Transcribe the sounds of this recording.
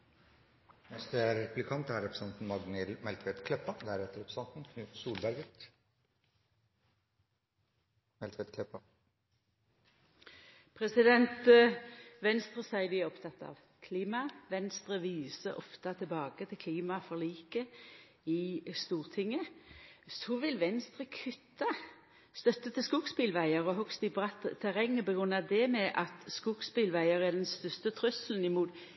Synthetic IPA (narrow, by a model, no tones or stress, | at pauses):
nɛst̪əæɾɛplɪkʰɑnt̪æɾɛpɾə̥sɛnt̪n̩mɑɡnɪlmɛlt̪ʋɛt̪kʰlɛpːɑd̪æɾɛt̪ːəɾɔpsɑnt̪n̩kʰnʉsuːlbæɾɡət̪ | mɛlt̪ʰʋɛt̪kʰlɛpɑ | pʰʁɛsɪd̪ɛnt̪ | ʋɛnst̪ʁəsæɪd̪ɪæɔpt̪ʰɑt̪ːɑ̰ʋ | kʰliːmɑʋɛnst̪ɾəʋiːsəɔ̰ft̪ɑt̪ʰɪlbɑːɡət̪ʰɪlkʰliːmɑfɔʁliːkə | ɪst̪uːʁt̪ʰɪŋːə | sɔʋɪlʋɛnst̪ɾəkʰʏt̪ːɑ | st̪œt̪ːət̪ʰɪskuːkspɪːlʋæɪəɾɔɦɔkst̪ɪbʁɑt̪t̪ʰːæʁɛŋːəbəɡɾʉnɑd̪ɛmɛʔɑt̪skuːɡspɪlʋæɪəʁæd̪ɛnst̪œst̪ət̪ʰɾʉslən̩ɪmuːt̪